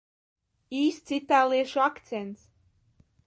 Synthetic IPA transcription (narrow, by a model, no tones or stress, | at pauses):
iːst̪sit̪aːlˠiɛʃoakt̪sent̪s